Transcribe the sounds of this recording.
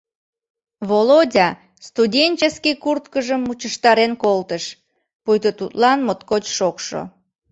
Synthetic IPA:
βolodʲɑ | st̪udʲenʲt͡ɕeskikurt̪kəʒəmːut͡ɕəʃt̪ɑɾenkolt̪əʃ | pujt̪ət̪ut̪lɑnmot̪kot͡ɕʃokʃo̰

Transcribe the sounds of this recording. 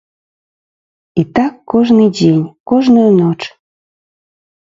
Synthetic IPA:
it̪ɑkːoʒnɨdenʲkoʒnojnot͡ʃ

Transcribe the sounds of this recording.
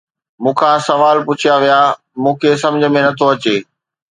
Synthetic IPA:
mũːkʰãsɐʋaːlpʊt͡ɕʰijaʋijaː | mũːkʰesɐ̃md͡ʑʱə̆mẽnɐt̪ʰoɐt͡ɕeː

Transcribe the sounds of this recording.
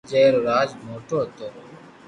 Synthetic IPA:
d͡ʒeːɾɾaːd͡ʒmoːʈoːt̪oː

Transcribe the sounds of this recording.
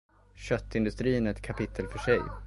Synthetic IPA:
ɕœt̪ːɪnd̪ɵst̪ɾiːnɛt̪̚kʰapʰɪt̪ʰːəlfœʂɛj

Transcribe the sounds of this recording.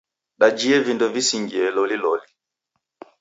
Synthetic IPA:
ɗad͡ʒiɛvindɔvisiŋɡiɛlɔlilɔli

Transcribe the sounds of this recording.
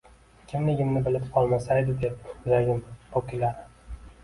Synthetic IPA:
kʲʰɪmlɪɡʲɪmnɪbɪlɪpqʰɒlˠmasajd̪ɪd̪ep̚ʊzaɡʲɪmpʰokʲʰɪlaɾ

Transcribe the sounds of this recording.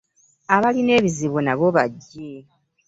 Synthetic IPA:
aβaline̞ːβiziβonaβo̞βaɟːe

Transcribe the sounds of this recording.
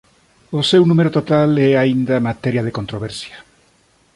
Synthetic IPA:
osewnumeɾot̪ot̪alɛaind̪amat̪eɾjaðekont̪ɾoβɛɾsjḁ

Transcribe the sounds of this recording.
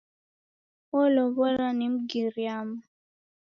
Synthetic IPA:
ɔlɔβɔɾanim̩ɡiɾiama

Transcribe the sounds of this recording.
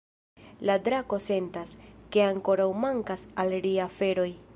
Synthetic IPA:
ladɾako̞se̞ntaske̞aŋko̞ɾawmaŋkasalɾiafe̞ɾo̞j

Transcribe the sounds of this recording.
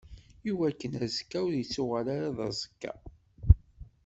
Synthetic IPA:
iwækːənæzəkːæwðjət͡sːʊʁalaɾaðˤɑ̰zˤə̥kːa̰

